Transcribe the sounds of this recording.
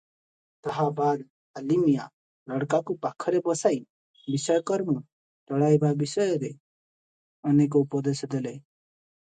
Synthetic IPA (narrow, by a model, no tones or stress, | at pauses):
t̪əɦabad̪ | əlimija̰ | lɔɽkakupakʰːɔɾebɔsai | bisəjkɔɾmu | t̪ɔɽajbabisɔjɔɾe | ɔnek̬ɔupɔd̪esd̪ele